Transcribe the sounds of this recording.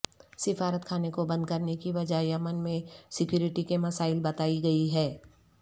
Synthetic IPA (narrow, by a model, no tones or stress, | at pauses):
sɪfaːɾət̪kʰaːnekobɐ̃nd̪̚kɐɾnekiʋɐd͡ʒaɦjɐmənmẽsɪkjuːɾɪʈikemɐsaːɪlbɐt̪aːiɡɐiɦɛː